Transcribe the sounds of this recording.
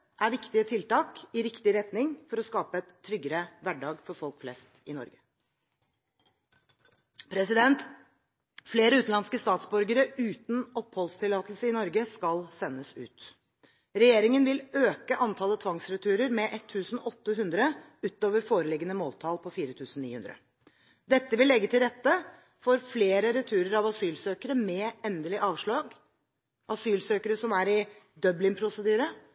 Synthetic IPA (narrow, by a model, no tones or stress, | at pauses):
ʔæɾʋɪkt̪ɪət̪ʰɪlt̪ɑːkɪɾɪkt̪ɪɾɛt̪nɪŋfɔɾɔskɑːpəɛt̪ʰːɾʏɡəɾəʋæɖɑːɡfɔɾfɔlkflɛst̪ɪnɔ̰ɾɡə | pʰɾɛsɪd̪ɛnt̪ | fleːɾəʉːt̪n̩ɑnskəst̪ɑːt̪sbʉɾɡəɾəʉːt̪n̩ɔphɔlst̪ʰɪlɑːt̪əl̩səɪnɔɾɡəskɑlsɛnːəsʉ̰ːt̪ | ɾɛjeːɾɪŋənʋɪløːkəʔɑnt̪ʰɑːlət̪ʰʋɑŋsɾɛt̪ʰʉːɾəɾmɛʔɛt̪ʰːʉːsn̩ɔt̪ːəɦʉnd̪ɾə | ʉːt̪oːʋəɾfoːɾəlɪɡːənəmoːlt̪ʰɑːlpʰɔfiːɾət̪ʰʉːsn̩nḭːhʉnd̪ɾə̰ | d̪ɛt̪ːəʋɪlːɛɡːət̪ʰɪlɾɛt̪ːə | fɔɾfleːɾəɾɛt̪ʰʉːɾəɾɑʋɑsyːlsøːkəɾəmɛɛnd̪əlɪʔɑːʋʂɭɑːɡ | ʔɑsyːlsøːkəɾəsɔmæɾɪ | d̪œblɪŋpʰɾʊsəd̪yːɾə